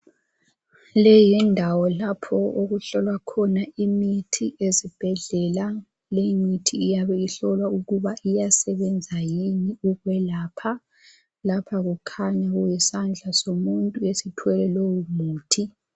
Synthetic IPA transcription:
lɛjindʱawɔlapʰɔoɣuɬɔlwakʰɔnaimitʰiʔezib̥ʱɛɮɛla | lejimitʰiːjaβɛiɬɔlwauɣuβaʔijasɛβɛnd͡zʱajiniuɣwɛlaːpʰa | lapʰaɣukʰaɲaɣujɛsand͡ɮʱasomuntʼuesitʰwɛlɛlowumuːtʰi

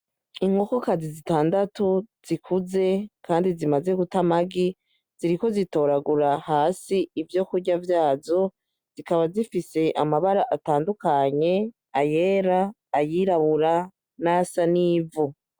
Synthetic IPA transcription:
iŋɡo̞ko̞kazizitaːndatuz̥ikʰuze̞kʰaːndizimaze̞ɡutamaɡi | z̥iɾiko̞zito̞ːɾaɡuɾahaːsiːvjo̞kuɾɟavjaːzo̞ | z̥ikaβazifise̞ʔa̰maβaɾaʔataːndukaɲe̞ | aje̞ːɾaː | jiɾaβuɾa | nasaniːvu

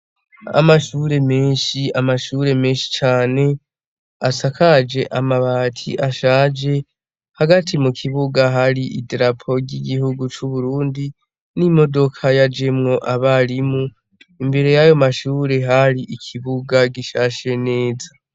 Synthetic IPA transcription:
a̰maʃuɾe̞meːnʃiamaʃuːɾe̞me̞ːnʃi̥t͡ʃaːne̞ | asakʰad͡ʒe̞ʔamaβaːtʰḭʔaʃaːd͡ʒe̞ | haɡatʰimukʰiβuɡaɦaɾiʔḭdɾapʰo̞ɟiɡihuɡut͡ʃuβuɾuːndi | nimo̞do̞kʰajad͡ʒe̞mŋo̞ʔaβaɾimu | imbe̞ɾe̞jajo̞maʃuːɾe̞ɦaɾiʔikʰiβuɡaɡiʃaʃe̞ne̞ːza

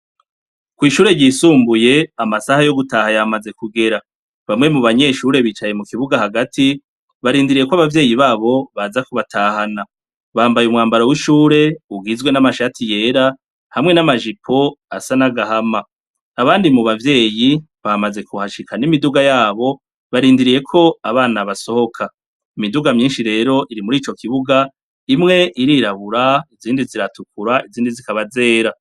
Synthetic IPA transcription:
kwiːʃuːɾe̞ɟisuːmbuje̞amasahajo̞ɡutahajamaze̞kuɡe̞ɾa | βamŋe̞muβaɲe̞ʃuɾe̞βiːt͡ʃaje̞mukiβuɡahaɡatʰi | βaɾiːndiɾije̞kwaβavje̞ːjiβaːβo̞βazakuβatʰahana | βaːmbajumŋaːmbaɾowiʃuːɾe̞uɡizɡwe̞namaʃatʰije̞ːɾa | hamŋe̞namaʒipʰo̞a̰sanaɡaɦamaː | βaːndimuβavje̞ːji | βamaze̞kuhaʃikʰanimiduɡajaːβo̞ | βaɾiːndiɾije̞kʰo̞aβaːnaβaso̞ho̞kʰa | imiduɡamɲiːnʃiɾe̞ːɾo̞ʔiɾimuɾiːt͡ʃo̞kiβuɡa | imŋe̞ʔiɾiːɾaβuɾaiziːndiziɾatukuɾaiziːndizikaβaze̞ːɾa

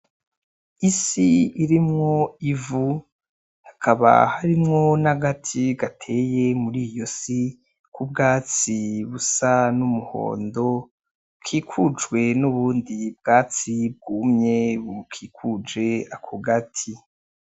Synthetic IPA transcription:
isiiɾimŋoivu | hḁkʰaβa̰haɾimŋo̞naɡatʰiɡatʰe̞ːjemuɾiːjo̞si | kub̚ɡaːt͡siβusanumuho̞̰ːndo̞ | bkʰiːkʰud͡ʒɡwe̞nuβuːndib̚ɡ̥aːt͡sib̚ɡumɲe̞βkʰiːkʰud͡ʒe̞akʰoɡatʰi

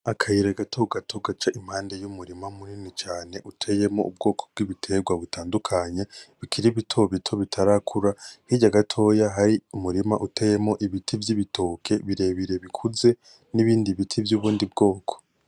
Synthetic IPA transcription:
akʰajiɾaɡatʰoɡatʰo̞ɡat͡ʃaʔim̥haːnde̞jumuɾimamuninit͡ʃaːne̞ʔutʰeje̞mo̞ub̚ɡo̞ːkʰo̥b̚ɡ̥iβitʰe̞ɡwaβutʰaːndukʰaɲeβikʰiɾiβitʰo̞βitʰo̞βitʰaɾakʰuɾahiɟaɡatʰo̞jaɦaɾiumuɾima̰ʔutʰeje̞mo̞ʔiβitʰivjiβitʰo̞ːkʰe̞βiɾe̞βiɾe̞βikʰuze̞ | niβiːndiβitʰivjuβuːndibɡo̞ːkʰo̥

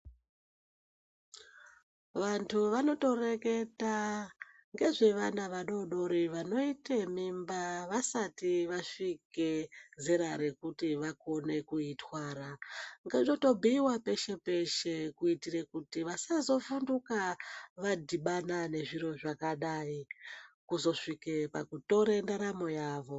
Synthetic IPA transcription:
ʋantʰuʋano̞to̞re̞ke̞ta | ŋɡe̞ʐe̞ʋanaʋaɗo̞ɗo̞ɾiʋano̞itemimbaʋasatiʋaʂike̞zeɾaɾe̞kutiʋako̞ne̞kuitwaːɾaŋɡeʐnoto̞bʱiːwape̞ʃe̞pe̞ʃe̞kuitirekutiʋasazo̞fundukaʋadʱiɓanane̞ʐiɾo̞ʐakaɗaːikuzo̞ʂikepa̰kuto̞ɾendaɾamo̞jaːʋo̞

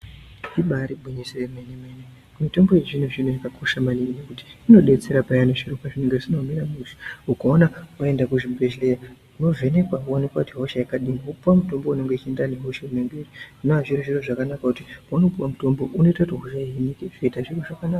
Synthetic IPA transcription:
iɓaɾibʱuɲisiremenemene | mito̞mbo̞je̞ʐinuʐinujakakʰo̞ʃamaninnekuti̥ːno̞ɗe̞t͡se̞ɾapajanoʐirokwaʐine̞ŋɡeʐinomiɾamuʃi̥ukaonawae̞ndakuʐibʱeleja | uno̞ve̞ne̞kwauonekwakutiɦo̞ʃajekaɗiniɦupuwamuto̞mbo̞une̞ŋɡeit͡ʃiendaneɦo̞ʃauneŋɡeriunoaʐiɾoʐiroʐakanakakutiano̞puwamuto̞mbo̞ʔune̞tatoɦoʃainikeʐeitaʐiroʐakanaka

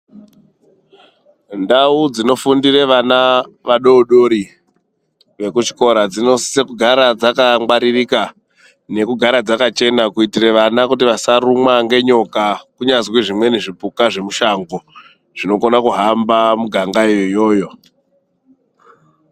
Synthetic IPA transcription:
ndaud͡zino̞fundire̞ʋanaʋaɗo̞ːɗo̞ɾi | ʋe̞kut͡ʃi̥ko̞ɾad͡zino̞ssekuɡʱaɾad͡zakaŋɡ͡baɾirika | ne̞kuɡʱaɾad͡zakat͡ʃe̞nakuitire̞ʋanakutiʋasaɾumwaŋɡe̞ɲo̞kakuɲazweʐimwe̞neʐipukaʐe̞muʃaŋɡo | ʐ̥ino̞konakuɦambamuɡʱaŋɡajojo̞ːjo̞

